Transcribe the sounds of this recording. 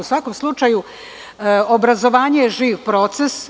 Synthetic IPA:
usʋako̞mslˠut͡ʃaju | obɾazo̞ʋaːɲejeʒiːʋpɾo̞t̪ses

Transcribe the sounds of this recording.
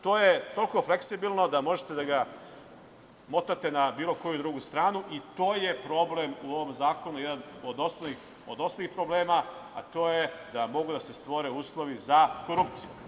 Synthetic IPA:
t̪o̞ːjet̪o̞lkofleksibilˠno̞d̪amo̞ʒet̪e̞d̪aɡa | mo̞t̪at̪e̞nabiːlˠo̞kojud̪ɾuɡust̪ɾaːnuʔit̪o̞ːjepɾo̞blemuo̞ʋo̞mzaːko̞nujed̪anod̪ost̪ix | od̪o̞st̪alixpɾo̞ble̞ːmaa̰t̪o̞ːjed̪amo̞ɡud̪ase̞st̪ʋo̞ɾe̞uːslˠo̞ʋizako̞ɾupt̪siju

